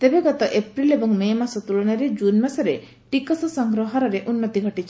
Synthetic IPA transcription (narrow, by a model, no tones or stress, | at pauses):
t̪ebeɡɔt̪ɔʔepɾilebɔŋmemasɔt̪ulɔɽ̃aɾed͡ʒunmasɔɾe | ʈikɔsɔsɔŋɡɾɔɦɔɾɔɾeʔunːɔt̪iɡʱɔʈit͡ʃʰi̥